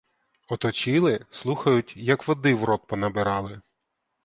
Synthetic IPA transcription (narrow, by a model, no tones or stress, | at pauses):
ɔt̪ɔt͡ʃɪlˠɪslˠuxɐjʊtʲjɐkʋɔd̪ɪʋɾɔt̪̚pɔnɐbɪɾɑlˠɪ